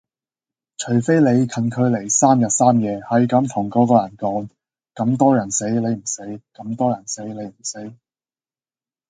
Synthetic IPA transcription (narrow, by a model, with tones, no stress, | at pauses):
t͡ʃʰɵ˨˩ɥfe˥jle˨˧jkʰɐ˨˧nkʰɵ˨˧ɥle˨˩jsaː˥mjɐ˨t̚saː˥mjɛː˨˧hɐ˨˥jkɐ˨˧˥mt̪ʰʊ˨˩ŋko˨˥kɔː˧jɐ˨˩nkɔː˨˥ŋ | kɐ˨˥mt̪ɔː˥jɐ˨˩nse˨˥jle˨˧jm̩˨˩se˨˥jkɐ˨˧˥mt̪ɔː˥jɐ˨˩nse˨˥jle˨˧jm̩˨˩se˨˥j